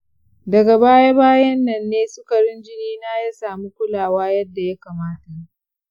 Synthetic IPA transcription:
dɐ˨ɡa˨baː˦ja˦baː˦jɐ˦nːɐ˨nːeː˦sʊ˦kɐ˨ɽɪ˦nd͡ʒɪ˦niː˦naː˦ja˦saː˨mu˦kʷʊ˦laː˨waː˦jɐ˦dːa˨ja˦kaː˨maː˦ta˨

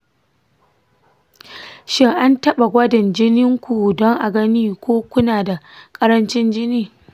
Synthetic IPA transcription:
ʃɪ˦ŋʔa˦ntɐ˦ɓa˨ɡʷɐ˦dɪ˨nd͡ʒɪ˦nɪ˦ŋkʷu˨dɔ˦ŋʔa˨ɡɐ˦niː˦kʷoː˦kʷʊ˦naː˨da˨kʼɐ˦ɾɐ˦nt͡ʃɪ˦nd͡ʒɪ˦niː˦

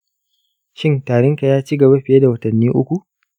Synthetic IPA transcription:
ʃɪ˦ntaː˨ɽɪ˦ŋka˨jaː˦t͡ʃi˦ɡɐ˨ba˦ɸɪ˨je˦da˨wɐ˦tɐ˨nːiː˦ʔʊ˦kʷu˨

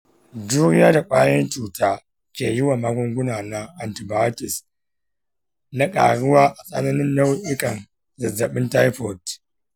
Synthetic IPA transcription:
du˦ɾja˦da˨k͡pʷʼaː˦jɐ˦nt͡ʃuː˨taː˦ | kʲeː˨ji˦wa˨ma˦ɡʷɔ˦ŋɡʷʊ˦na˨na˦ʔa˨nti˨ba˦tɪ˨s | na˦kʼa̰˨ɽʊ˦waː˦ʔa˨sʼa̰˦na˦nɪ˦nːa˦wu˦ʔɪ˦kɐ˨n | zɐ˨zɐ˨ɓɪ˦nta˦jɸo˨t

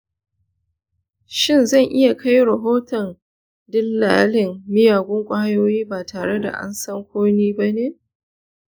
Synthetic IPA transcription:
ʃɪ˦nzɐ˦˨ŋʔɪ˦ja˨kʰa˦jɽɐ˨ɦoː˦tɔ˨n | dɪ˦lːaː˦lɪ˨ŋːɪ˦jaː˨ɡʷʊ˦ŋkʷʼaː˦joː˦jiː˦baː˨tʰaː˨ɽe˦da̰˨ʔa̰˦nsɐ˦ŋkʷoː˦niː˦ba˦neː˦

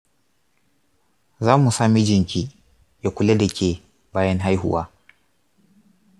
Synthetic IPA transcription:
zaː˦mu˨saː˦mi˦d͡ʒɪ˨ŋkʲi˦ | ja˨kʷu˨lɛ˦dɛ˨kʲe˨ | baː˦jɛ˦nɦa˦jhʊ̰˨waː˦

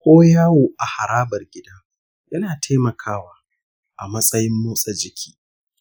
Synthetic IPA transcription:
kʷoː˦jaː˦woː˨ʔa˨ha˨ɾaː˦bɐ˨rɡʲɪ˦dɐ˦ŋ | jɐ˦naː˨tʰeː˦mɐ˨kʰaː˦waː˨ | ʔa˨mɐ˦sʼɐ˦jɪ˦mːoː˦sʼɐ˨d͡ʒɪ˨kʲʰi̥ː˦

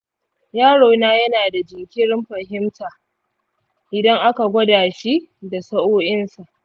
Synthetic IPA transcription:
jaː˦ɽoː˨naː˦jɐ˦naː˨da˨d͡ʒɪ˨ŋkʲʰɪ˦ɽɪ˦mɸɐ˨ɦɪ˦mtaː˨ | ʔɪ˨dɐ˦ŋʔa˦ka˨ɡʷɐ˦daː˨ʃi˦da˨sɐ˦ʔoː˦ʔɪ˦nsa˨ʔ

